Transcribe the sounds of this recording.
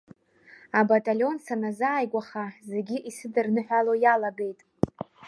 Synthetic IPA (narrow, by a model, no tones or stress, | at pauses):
abatʼalʲo̞nsanazaːjɡʷaχaze̞ɡʲiʔisɨdɨrnɨħʷᶣalojalabe̞jtʼ